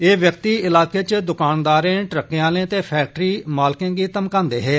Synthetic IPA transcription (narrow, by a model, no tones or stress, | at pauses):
eːʋjəkt̪iːɪlaːkeːt͡ʃd̪ʊkaːnd̪aːɾẽːʈɾəkːejãːlẽːt̪eːpʰɛːk̚ʈɾiːmaːlɪkẽːɡiːt̪əmkãːnd̪eːɦɛː